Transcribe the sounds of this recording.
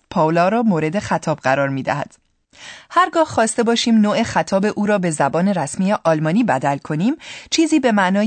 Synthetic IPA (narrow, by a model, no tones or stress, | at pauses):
pʰɒːlɒːɾɒːmoːɾe̞d̪e̞xæt̪ʰɒːbɢæɾɒːɾmiːd̪æ̰hæ̰d̪̥ | hæɾɡɒːhχɒːst̪e̞bɒːʃiːmnoːʔe̞xæt̪ʰɒːbe̞ʔuːɾɒːbe̞zæbɒːne̞ɾæsmiːjeʔɒlmɒːniːbæd̪ælkʰo̞niːmt͡ʃʰiːziːbe̞mæʔnɒː